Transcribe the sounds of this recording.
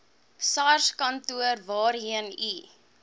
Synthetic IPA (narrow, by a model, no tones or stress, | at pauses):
sɑrskɐntuərvɑːrɦiəni